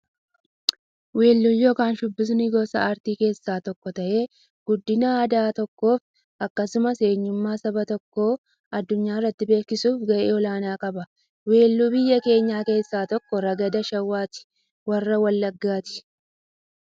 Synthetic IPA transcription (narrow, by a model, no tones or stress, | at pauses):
we̞ːlːuːjo̞ːkaːnʃʊbːɪs̬nɪɡɔːsɐ̰aːɾt̪iːke̞ːsːaːt̪ɔkːɔt̪ɐʔe̞ː | ɡ̥ʊd̪ːɪnɐːd̪aːt̪ɔkːo̞ːf | ɐkːɐsʊmɐse̞ːɲːʊmːaːsɐbɐt̪ɔkːo̞ː | ɐd̪ːʊɲːaːɪrːɐt̪ːɪbe̞ːkːɪsuːfɡɐʔeːɔlaːnaːkʼɐbɐ | weːlːuːbɪjːɐke̞ːɲːaːke̞ːsːaːt̪ɔkːɔɾɐɡɐd̪ɐʃɐwːaːt̪ɪ̥ | wɐrːɐwɐlːɐɡːaːt̪ɪ̥